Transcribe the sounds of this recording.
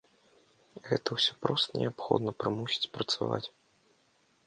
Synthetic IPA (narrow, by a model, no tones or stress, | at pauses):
ɣɛt̪ɐwsʲɔpɾɔst̪ənʲɛapxɔ̰d̪nɐpɾɨmusʲi̥t͡sʲpɾɐt̪sava̰t͡sʲ